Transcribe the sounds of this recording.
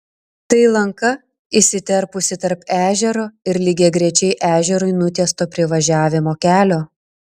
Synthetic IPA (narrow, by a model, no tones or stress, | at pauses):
t̪ɐɪlˠɐŋkɐ | ɪsʲɪt̪ʲɛɾpʊsʲɪt̪ɐɾpæːʒʲɛɾoːɪɾlʲɪɡʲeːɡɾʲɛt͡ʃʲɛɪʔæːʒʲɛɾʊɪnʊt̪ʲiɛst̪oːpʲɾʲɪʋɐʒʲæːʋʲɪmoːkʲæːlʲoː